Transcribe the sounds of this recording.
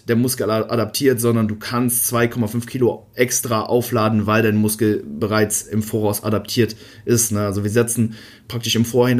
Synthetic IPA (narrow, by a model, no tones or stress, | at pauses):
d̥eːɐmʊskl̩ʔadap̚tʰiːɐtz̥ɔndɐnduːkʰanstt͡sv̥aɪkʰɔmafʏnfkʰiːloʔɛkstʁ̥aʔaʊflaːdn̩vaɪldaɪnəmʊskl̩bəʁaɪt͡sɪmfoːɐʁaʊsʔa̰dap̚tʰiːɐt | ʔɪstnəalzoviːɐzɛt͡sn̩ | pʁ̥aktɪʃɪmfoːɐhɪn